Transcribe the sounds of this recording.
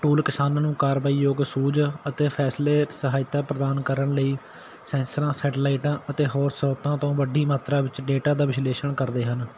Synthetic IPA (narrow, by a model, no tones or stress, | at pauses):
ʈuːlkɪsaːnãːnũːkaːɾʋaːiːjoːɡsuːd͡ʒət̪eːpʰɛːsleːsəɦaːɪt̪aːpɾəd̪aːnkəɾəɳləiː | sɛ̃ːnsɾãːsɛːʈːlaːɪʈãːʔət̪eːɦɔːɾsəɾɔːt̪ãːt̪õːʋəɖiːmaːt̪ɾaːʋɪt͡ʃɖeːʈaːd̪aːʋɪsleːʃəɳkəɾd̪eːɦən